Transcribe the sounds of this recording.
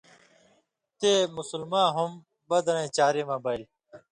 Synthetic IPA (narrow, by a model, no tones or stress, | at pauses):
t̪eːmʊsʊlmãːɦum | bɐd̪ɾẽːt͡ɕaːɾeːmãːbail